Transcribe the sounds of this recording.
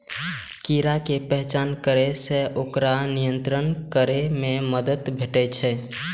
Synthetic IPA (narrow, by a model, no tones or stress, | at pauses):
kiɾakepɛɦt͡ʃankəɾɛsẽʔokɾanijənt̪ɾənkəɾememəd̪ət̪bʱeʈɛt͡ʃʰɛ